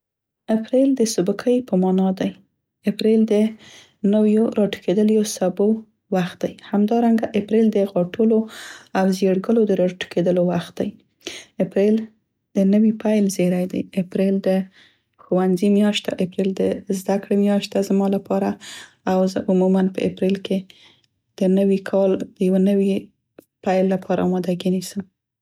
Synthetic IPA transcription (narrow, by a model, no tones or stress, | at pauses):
apɾeld̪əsʊbukʰəjpəmɑnɑd̪aj | ɪpɾeld̪ə | nəwjoɾɑʈu̥kʰed̪əljosabo | waxt̪̚d̪ajhamd̪ɑɾaŋɡaʔɪpɾeld̪əɣɑʈuloawzeɽɡəlod̪əɾɑʈu̥kʰed̪əlowaxt̪̚d̪aj | apɾel | d̪̥ənəwipajlzeɾajd̪a̰jɪpɾeld̪ə | xowanzimjɑʃt̪a̰ʔɪpɾeld̪əzd̪akɽemjɑʃt̪t̪azmɑlapʰɑɾa | awzəʔʊmumanpə̰ʔɪ̰pɾelke | d̪̥ənəwikʰɑld̪̥əjawnəwi | pajlːapʰɑɾa̰ɑmɑd̪aɡinisəm